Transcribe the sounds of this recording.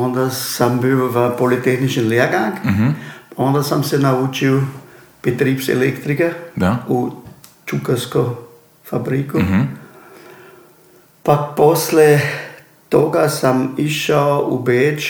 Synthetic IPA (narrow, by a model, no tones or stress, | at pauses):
ond̪asambiwʋəpolit̪exnit͡ʃinliaɡaŋkpaond̪asamsenauːt͡ʃiw | pet̪ɾiːpsḛlekt̪ɾikad̪aut͡ʃukasko | fabɾiku | paposle | t̪oɡasamiʃaoṵbeːt͡ʃ